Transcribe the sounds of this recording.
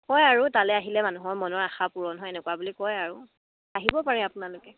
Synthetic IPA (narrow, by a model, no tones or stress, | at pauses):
kɔjaɹutalɛaɦilɛmanuɦɔɹmɔnɔɹaxapuɹɔnɦɔjɛnɛkwabulikɔjaɹu | aɦibɔpaɹiapʊnalʊkɛ